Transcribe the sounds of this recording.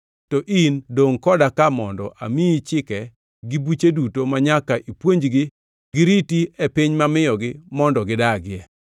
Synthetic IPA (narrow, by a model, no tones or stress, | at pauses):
tɔʔindoŋkɔdakamɔndɔ̰ʔa̰miit͡ʃɪkɛ | ɡɪbut͡ʃedutomaɲakaʔipwoɲd͡ʒɡɪ | ɡ̥ɪɾitiepiɲmamɪjɔɡɪmɔndɔɡɪdaɡɪɛ